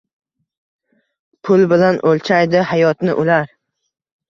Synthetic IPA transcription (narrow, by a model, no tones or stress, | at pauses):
pʰʊlbɪlanʔolt͡ʃʰajd̪ɪhajɒt̪nɪʔʊlaɾ